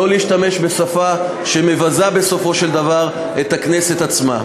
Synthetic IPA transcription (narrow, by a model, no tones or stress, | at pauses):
oliiʃtame̞ʃbe̞safa | ʃeme̞vazabe̞so̞fo̞ʃe̞ld̪avaʁ | et̪akne̞se̞t̪at͡sma̰